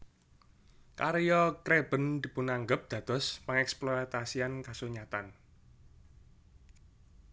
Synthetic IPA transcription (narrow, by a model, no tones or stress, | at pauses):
kaɾjɔkɾeb̥ə̤nd̪̥i̤pʊnaŋɡəp̚d̪̥ä̤d̪̥ɔ̤spaŋɛksplɔat̪asiankasuɲat̪an